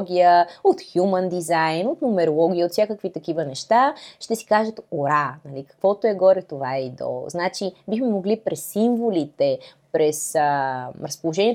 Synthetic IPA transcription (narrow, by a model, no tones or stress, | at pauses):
ɡʲijəot̪xjumənd̪izajnot̪nomɛɾolˠɔɡʲiəot̪fsʲjakəkvit̪ɐkivənɛʃt̪aʃt̪ɛsi̥kaʒət̪oɾanɐlikɐ̥kvɔt̪oɛɡɔɾɛt̪ovaid̪o̰znat͡ʃibixmɛmoɡlipɾɛsːiɱvolit̪ɛpɾɛsəɾɐspolˠoʒɛniɛ